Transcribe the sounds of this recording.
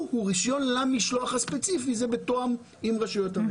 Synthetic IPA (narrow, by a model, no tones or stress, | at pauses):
huʁiʃjo̞nlamiʃlo̞aχhaspet͡sifizebetoam | imʁaʃujo̞tam